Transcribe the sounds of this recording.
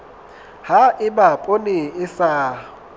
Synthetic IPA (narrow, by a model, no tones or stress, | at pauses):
haɪbapʼonɪɪsa